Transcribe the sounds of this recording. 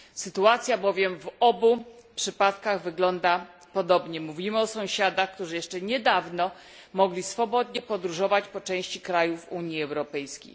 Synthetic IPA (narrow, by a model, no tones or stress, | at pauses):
sɘt̪uat̪sʲjabɔvʲjɛmvɔbupʂɘpat̪kaɣvɘɡlɔnd̪a | pɔd̪ɔbɲɛmuvʲimɘɔsɔ̃w̃ɕad̪axkt̪uʐɘjɛʂt͡ʂɛɲɛd̪avnɔ | mɔɡlʲisfɔbɔd̪ɲɛpɔd̪ɾuʐɔvat͡ɕpɔt͡ʂɛ̃w̃ɕt͡ɕikɾajufuɲjiɛwɾɔpɛjskʲḛj